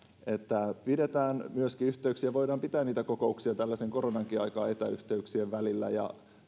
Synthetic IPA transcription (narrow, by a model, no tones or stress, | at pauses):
e̞t̪ːæpide̞t̪æːnmyøskiyht̪eyksiæʋo̞jdɑːmpit̪æːnniːt̪ækoko̞uksiɑt̪ælːæseŋko̞ɾonɑŋkiɑjkɑːet̪æy̰ht̪eyksieʋʋælilːæ̰jɑ̰